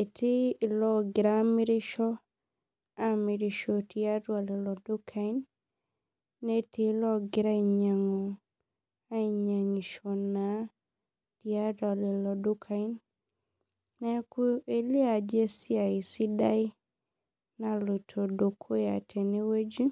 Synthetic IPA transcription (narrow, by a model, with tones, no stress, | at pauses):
e˨tʰi˦˨lɔ˦ɡɪ˨ɾa˦mi˦ɾɪ˦ʃɔ˦ | a˦mi˨ɾi˨ʃɔ˨ti˨˦a˦twa˨le˨lɔ˨do˦kʰa˦i˦n | ne˦ti˦lɔ˦ɡɪ˨ɾa˦i˨ɲa˨ŋɔ˨ | a˦i˨ɲa˨ŋi˨ʃɔ˨na˨˦ | ti˨a˦da˨le˨lɔ˨do˦kʰa˦i˦n | nɛ˦ku˦e˦li˦a˨d͡ʒe˦si˦a˨i˨si˦da˦i˦ | na˨lo˨tʰo˨do˨kʰo˦ja˨tʰe˨ne˦we˦d͡ʒi˦